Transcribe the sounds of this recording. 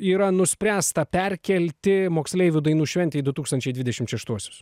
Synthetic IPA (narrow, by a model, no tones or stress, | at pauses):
iːɾɐnʊsʲpʲɾʲæːst̪ɐpʲɛɾʲkʲɛlʲt̪ʲɪmoːksʲlʲɛɪʋʲʊd̪ɐɪnuːʃʲʋʲɛnʲt̪ʲɛɪid̪ʊt̪uːkst̪ɐnʲt͡ʃʲɛɪd̪ʋʲɪd̪ʲɛʃʲɪmtʃʲɛʃt̪uɔsʲoːs